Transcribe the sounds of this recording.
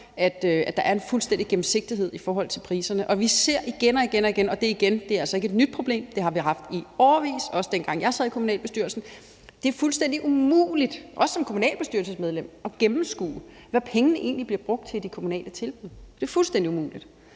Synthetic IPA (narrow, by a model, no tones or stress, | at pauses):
æd̥øæd̥ɑ̈ʔæɐe̝nfulsd̥en̰d̥iɡ̥em̩se̝ɡ̥̚d̥iɦe̝ð̰ˠifɒːɦɒ̽l̰t͡sʰe̝lpʰʁḭːsɐnəʔɒ̽ʋise̝ɐ̰ʔiɡ̥enɒ̽iɡ̥enɒiɡ̥enɒ̽d̥e̝iɡ̥end̥e̝æɐælsɒe̝ɡəed̥nyd̥̚pʰʁo̝b̥le̝̰ːmd̥e̝hɑ̈ʋiɦɑ̈fd̥iɒɐʋḭːsɒɒ̽səd̥en̰ɡ̥ɑ̈ŋ̰jɑ̈ɪsɛð̰ˠikʰo̝munɛ̰ːlb̥e̝sd̥yɐ̰lsn̩ | d̥e̝æɐfulsd̥en̰d̥iʔumṵːlid̥ʔɒ̽sə̥sɒ̽mkʰo̝munɛ̰ːlb̥esd̥yɐlsəsmeð̞ˠlem̰ɒ̽ɡ̥emm̩sɡ̥ṵː | ʋæpʰeŋənəʔe̝ːnlib̥liɐb̥ʁɔ̽ɡ̥̚d̥t͡sʰe̝ld̥ikʰo̝munɛ̰ːlət͡sʰe̝lb̥uð̰ˠd̥e̝ːɐfulsd̥end̥iumṵːlid̥